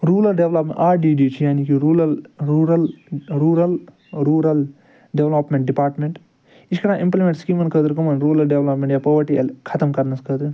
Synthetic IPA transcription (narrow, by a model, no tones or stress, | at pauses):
ɾuːɾɐlɖeʋloːpmḛʈaːɖiːɖiːt͡ʃʰijaːniːkiɾuːlɐlɾuːɾɐlɾuːɾɐl | ɾuːɾɐl | ɖeʋloːpmẽɳʈ̚ɖipaːɾʈmẽɳʈ | it͡ʃʰkɐɾãːʔĩmplimẽɳʈskiːmɐnkəd̪ɾkɐmɐnɾuːɾɐlɖeʋlɐpmẽɳʈjaːpoːʋɐɾʈiɐlkʰɐt̪ɐmkɐɾnɐskɐd̪ɨ